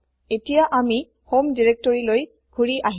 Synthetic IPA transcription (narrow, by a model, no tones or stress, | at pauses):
etijaʔami | homdiɹek̚tɔɹiloj | ɡʱuɹiʔaɦi